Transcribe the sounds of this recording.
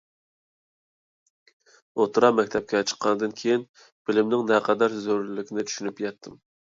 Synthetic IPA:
ot̪ʰɾɑmɛkʲt̪ʰɛp̚kʲɛt͡ʃʰə̥qʰːɑnɨd̪ɨnkʲʰejin | b̥ɪlɪmnɪŋnɛqʰɑd̪ɑɾzøɾlɪlɪkʲʰɪnɪt͡ʃ̪ʰy̥ʃynypjɑt̪ʰːɨm

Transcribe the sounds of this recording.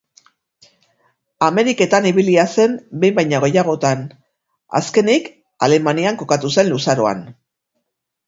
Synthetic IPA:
ame̞ɾike̞t̪aniβ̞iliase̞mbejmbajɲaɣ̞e̞jaɣ̞o̞t̪an | a̰ske̞nik | a̰le̞maniaŋko̞kat̪use̞nlusaɾo̞a̰n

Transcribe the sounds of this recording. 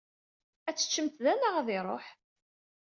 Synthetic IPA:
æt͡sːə̥t͡ʃːəmt̪ðænəʁðɪɾˤo̰ħ

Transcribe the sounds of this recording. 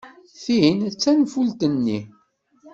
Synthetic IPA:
θint͡sːænfult̪ənːi

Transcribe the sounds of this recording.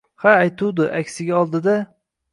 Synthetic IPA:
haːjt̪ʰʊwd̪ʊʔakʲsɪɡʲaɒlˠd̪ɪd̪a

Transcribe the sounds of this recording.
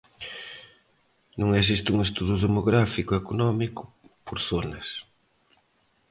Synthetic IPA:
nũŋes̬ist̪uŋest̪uðuðemoɣɾafikʊekonɔmikʊ̥ | poɾθonɐs

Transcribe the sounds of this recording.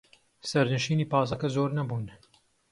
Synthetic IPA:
sɛɾnɨʃiːniːpaːs̬ɐkɛzoːɾnɛbuːn

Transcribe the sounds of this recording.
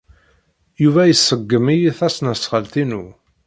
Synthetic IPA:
juvæjəsːəɡːəmijiθæsnəsχəlt̪inu

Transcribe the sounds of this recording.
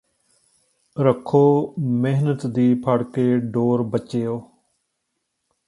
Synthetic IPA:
ɾəkʰoːmeɦnət̪d̪iːpʰaɽkeːɖoːɾbət͡ʃeːoː

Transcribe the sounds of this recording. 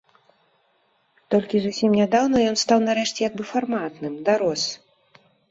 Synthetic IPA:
t̪ɔlʲkʲizusʲimnʲad̪awnɐjɔnst̪awnaɾɛʂt͡sʲɛjaɡ̚bɨfarmat̪nɨmd̪aɾɔs

